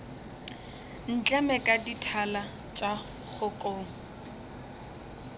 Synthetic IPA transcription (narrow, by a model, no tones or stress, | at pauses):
n̩t͡ɬʼɛmɛkʼaditʰala | t͡ʃʼa | χʊkʼoːŋ̩